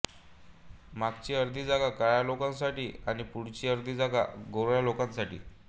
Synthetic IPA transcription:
makt͡ɕiːəɾd̪ʱiːd͡zaɡakaɭjalokãnsaʈiːanipuɽt͡ɕiːəɾd̪ʱiːd͡zaɡa̰ɡoɾɭjalokãnsaʈḭː

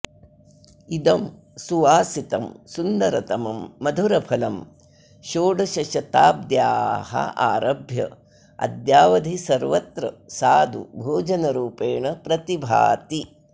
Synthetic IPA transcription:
id̪ɐm | suʋaːsit̪ɐmsund̪ɐɾɐt̪ɐmɐmːɐd̪ʱuɾɐpʰɐlɐm | ʃoːɖɐʃɐʃɐt̪aːb̚d̪jaːɦɐ̰ʔa̰ːɾɐbʱjɐ̰ | ɐ̰d̪jaːʋɐd̪ʱisɐɾʋɐt̪ɾɐ̰saːd̪ṵbʱoːd͡ʒɐnɐɾuːpeːɳɐpɾɐt̪ibʱa̰ːt̪i

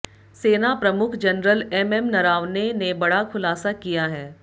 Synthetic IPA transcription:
seːnapɾɐmʊkʰd͡ʒɐnɾəlɛmɛmnɐɾaːʋnenebɐɽakʰʊlaːsakijaɦɛː

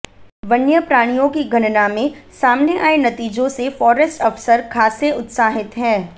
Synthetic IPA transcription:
ʋɐnjəpɾaːɽ̃ijõkiɡʱɐnnamẽsaːmneʔaːenɐt̪iːd͡ʒõsefɔːɾəsʈɐfsəɾkʰaːseʔʊt̪saːɦɪt̪ɦɛː

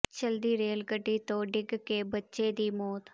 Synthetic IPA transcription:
t͡ʃəld̪iːɾeːlɡəɖːiːt̪õːɖɪɡkeːbətːʃed̪iːmoːt̪

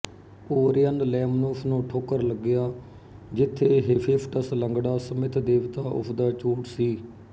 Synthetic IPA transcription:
oːɾɪjənd̪lɛːmnoːpʰnũːʈʰokːəɾləɡːɪjaː | d͡ʒɪt̪ʰːeːɦeːpʰeːpʰʈəsləŋɡɽaːsəmɪt̪ʰd̪eːʋt̪aːʔʊ̰pʰd̪aːt͡ʃuːʈsiː

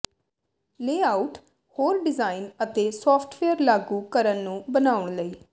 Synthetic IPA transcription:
leːaːʊʈ | hoːɾɖɪzaːinət̪eːsɔːpʰʈʰʋeːəɾlaːɡuːkəɾənːũːbənaːʊɳləiː

